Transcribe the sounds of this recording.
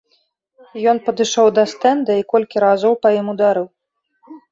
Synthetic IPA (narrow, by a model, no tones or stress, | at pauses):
jɔnpɐd̪ɨʂɔwd̪ɐst̪ɛnd̪ɐikɔlʲkʲiɾazɔwpɐjimud̪aɾɨw